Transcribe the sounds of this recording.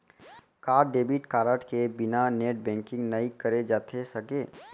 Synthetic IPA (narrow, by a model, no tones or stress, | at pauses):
kaːɾɖeːbɪʈkaːɾəʈkebɪnaneːʈ̚bɛ̃ːŋkɪ̃ŋɡnəikəɾed͡ʒaːt̪ʰesɐkeː